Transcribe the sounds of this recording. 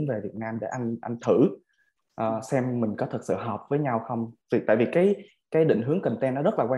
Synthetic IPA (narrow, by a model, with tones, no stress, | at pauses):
nve˨˩vi˨˩ət̚naː˧mɗḛ˧˩ʔa˧ŋ̟ʔa˧ŋ̟t̪ʰɨ˧˩ | ʔəː˨˩sɛ˧mːï˨˩ŋ̟kɔ˨˦t̪ʰɨ˨˩t̚sɨ̰˧˨ɦəː˨˩p̚vəː˨˦jɲa˧wxə˧wŋ͡mvi˨˩t̪a̰ː˧˨jvi˨˩kaː˨˦j | kaː˨˦jɗḭ˧˨ŋ̟ɦɨ˨˦əŋkə˨˩ŋ̟t̪ɛ˧nɔ˨˦zə˦˥laː˨˩kwa˧